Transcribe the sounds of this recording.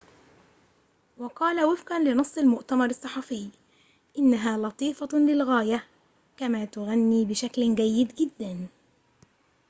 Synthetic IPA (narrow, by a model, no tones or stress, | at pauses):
wɑqɑːlawɪfqanlɪnɑsˤːɑlmʊʔt̪amɑɾˤɑsˤːɑħɑfɪjː | ʔɪnːaɦaːlɑt̪ˤiːfɑlɪlɣaːja | kamaːt̪ʊɣanːiːbɪʃaklɡajːɪd̪ɡɪd̪ːan